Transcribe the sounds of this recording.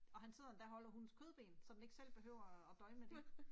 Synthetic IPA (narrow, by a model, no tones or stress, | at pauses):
ɒ̽ɦænse̝ð̰ˠɐnd̥æɐɦɒ̽l̰ɐɦunskʰøð̞ˠb̥e̝̰ːnsɒ̽md̥eɡ̥sel̰b̥e̝ɦøʊɐːd̥ɒ̽ɪmmed̥e